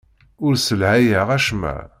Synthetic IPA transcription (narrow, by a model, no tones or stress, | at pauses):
ʊɾsəlʕæjəʁæʃmæ̰